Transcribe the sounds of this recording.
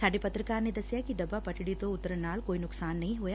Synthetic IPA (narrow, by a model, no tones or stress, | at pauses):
saɖipɐt̪ɾikaːɾnid̪ɐsjaːkiɖɐbapɐʈːiɽit̪oːut̪ːɐɾɐnaːlkoːjinuksaːnːɐjɦuja